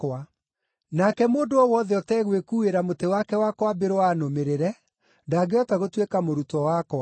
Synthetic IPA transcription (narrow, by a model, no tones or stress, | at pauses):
kwa | nakɛmoːndoɔwɔðɛɔtɛɣwekuːeɾamotewakɛwakwabeɾowanomeɾeɾɛ | ndaːɡeɔtaɣotwekamoɾutɔwakwa